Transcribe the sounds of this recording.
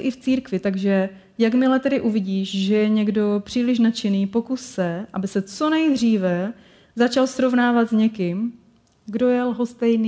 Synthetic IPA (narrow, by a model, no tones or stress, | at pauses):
ʔɪft͡siːɾkvɪt̪aɡʒɛ | jakmɪlɛt̪ɛdɪʔuvɪɟiːʃʒɛjɛɲɛɡdo̞pr̝̥iːlɪʃnat͡ʃɪniːpo̞kusːɛʔabɪsɛt͡so̞nɛjd̪r̝iːvɛ | zat͡ʃalsɾo̞vnaːvat̪zɲɛkɪm | ɡdo̞jɛlɦost̪ɛjni